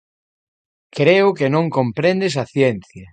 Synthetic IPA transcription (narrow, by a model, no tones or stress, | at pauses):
kɾeʊkenõŋkompɾẽnd̪es̬ɐθjenθjɐ